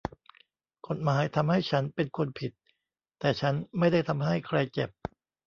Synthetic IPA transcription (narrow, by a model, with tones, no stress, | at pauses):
kʰo˨˩t̪̚maː˦˥jt̪ʰa˧mha˥˩jt͡ɕʰa˦˥npe˧nkʰu˧npʰi˨˩t̪ː | ɛː˨˩t͡ɕʰa˦˥nma˥˩jda˥˩jt̪ʰa˧mɦa˥˩jkʰɾa˧jt͡ɕe˨˩p̚